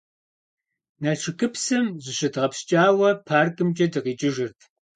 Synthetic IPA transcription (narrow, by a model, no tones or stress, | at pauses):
naʂʰɨkʰɨpsɐmzʷɨɕɪdʁɐpst͡ʃʼaːwɐpʰaːrkʼɨmt͡ʃʼɐdɨʁiːt͡ʃʼɪʒɪrtʰ